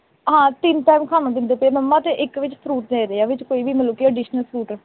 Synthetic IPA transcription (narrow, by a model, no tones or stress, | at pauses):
ɦãːt̪ɪnʈaːmkʰaːnãːd̪ɪnd̪eːpeːmɛmːaːt̪eʔɪkʋɪt͡ʃsʰɾuːʈ̚neːɾeːaːʋɪt͡ʃkoːiːʋiːməloːkiːəɖɪːʃnəlsʰɾuːʈə